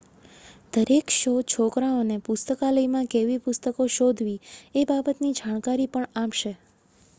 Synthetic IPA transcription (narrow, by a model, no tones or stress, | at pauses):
d̪̥əɾekʃot͡ʃʰokɾãonepʊst̪əkaləimãkeʋipʊst̪əkoʃod̪ʱʋiebabət̪nid͡ʒʱaɳ̃kaɾipəɳamʃe